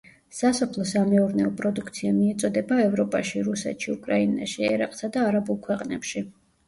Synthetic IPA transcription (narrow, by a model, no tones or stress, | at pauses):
sasɔpʰlˠɔsamɛuɾnɛɔpʼɾɔd̪ukʰt̪sʰiamiɛt̪sʼɔd̪ɛbaɛvɾɔpʼaʃiɾusɛ̰t̪ʃiukʼɾaina̰ʃiɛ̰ɾaqʼsad̪aːɾabulˠkʰwɛqʼnɛpʃi